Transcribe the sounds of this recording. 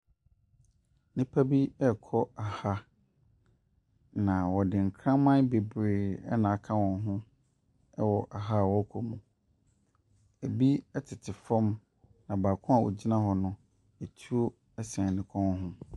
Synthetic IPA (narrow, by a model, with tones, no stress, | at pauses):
nĩ˦pʰa˦bi˦ɛ˦˨kʰɔ˦a˨ha˦ | nã˨wɔ˨dɪ̃˨ŋ̩˨kʰɾã˦mã˦be˨bɾeː˨ɛ˦nã˨a˦kʰã˦wɔ̃˨n˦ɦʊ̃˦ | ɛ˦wɔ˨ʔa˨ɦa˦˨wɔ˦kʰɔ˨mũ˨ | ɛ˨bi˦ɛ˦tʰɪ˨tʰɪ˨fɔ̃˦m | nã˨baː˨kʰʊ̃˦a˨wɔ̰˨d͡ʑi˦nã˦ɦɔ˨nʊ̃˦ | e˨tʰu˦ | ɛ˦sɛ̃˨nɪ̃˨kʰɔ̃˦hʊ̃˦